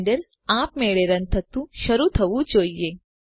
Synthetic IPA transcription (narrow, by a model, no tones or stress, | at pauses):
ɖəɾ | ãpmeɭeɾənt̪ʰət̪ũʃəɾut̪ʰəʋũd͡ʒoːije